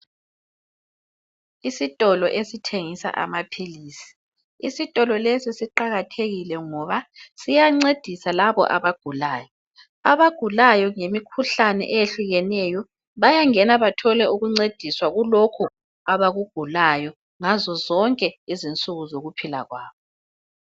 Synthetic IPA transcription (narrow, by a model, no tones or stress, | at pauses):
isitʼɔlɔʔesitʰeŋisa̰ʔa̰mapʰiliːsi̥ | isitʼɔlɔlesisiǃaɣatʰeɣilɛŋɔβasijaŋ͡ǀed̥ʱisalaβɔ̰ʔa̰βaɡ̥ʱulaːjɔ | aβaɡ̥ʱulajɔŋemikʰuɬanɛ̰ʔɛjeɬuɣɛnɛjɔ | βajaŋɛnaβatʰɔlɛuɣuŋ͡ǀed̥ʱiswaɣulɔkʰɔ | aβaɣuɡ̥ʱulajɔ | ŋazɔzɔŋkʼɛizint͡sʼuɣuzoɣupʰila̰ɣwaːβɔ